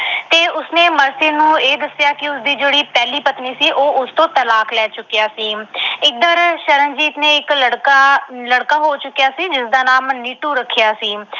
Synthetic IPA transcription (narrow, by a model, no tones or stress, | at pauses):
t̪eːʊsneːməɾseːnũːeːd̪əsjaːkɪʊsd̪iːd͡ʒeːɽiːpɛːliːpət̪niːsiːʔoːʊst̪õːt̪əlaːklɛːt͡ʃʊkːjaːsiːɪd̪əɾʃəɾənd͡ʒiːt̪neːɪkləɽkaləɽkaːɦoːt͡ʃʊkːɪjaːsiːd͡ʒɪsd̪aːnaːmniːʈuːɾəkʰːjaːsiː